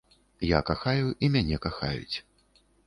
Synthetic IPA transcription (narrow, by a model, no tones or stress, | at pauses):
jakaxajuʔimʲanʲɛkaxa̰jṵt͡sʲ